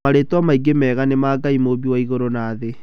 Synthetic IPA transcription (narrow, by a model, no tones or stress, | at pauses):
aɾetwamaiɡemɛːɣanemaɡaimoβiwaiɣoɾonaːðe